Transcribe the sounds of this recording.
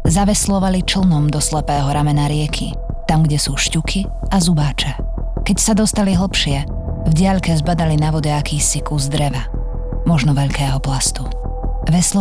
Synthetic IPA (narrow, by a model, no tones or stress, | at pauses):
zaʋɛslɔʋalit͡ʃl̩ˠnɔmd̪ɔslɛpɛːɦɔɾamɛnaɾɪɛkʰḭ | t̪amɡɟɛsuːʃcukʰi | azubaːt͡ʃɛ | kɛcsad̪ɔst̪aliɦl̩ˠpʃɪɛ | vɟɪaʎkɛzbad̪alinaʋɔɟɛakiːsikuzd̪ɾɛʋa | mɔʒnɔʋɛʎkɛːɦɔplast̪u | ʋɛslɔ